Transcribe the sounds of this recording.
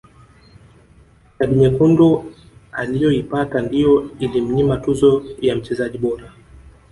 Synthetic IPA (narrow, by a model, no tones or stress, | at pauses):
kaɓiɲɛkundu | alijɔipatandijɔilim̩ɲimatuzɔjam̩t͡ʃɛzaʄiɓɔɾa